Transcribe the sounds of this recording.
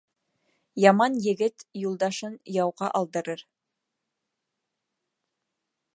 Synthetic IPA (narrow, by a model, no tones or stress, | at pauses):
jɑmɑnjɘ̆ɡɘt̪julˠd̪ɑʃɤnjɑwʁɑʔɑlˠd̪ɤ̆ɾɤɾ